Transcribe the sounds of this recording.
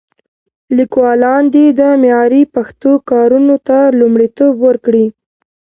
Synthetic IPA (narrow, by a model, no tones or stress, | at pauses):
likwɑlɑnd̪ed̪əmjɑɾipaxt̪okɑɾunot̪alumɽit̪obwəɾkɽi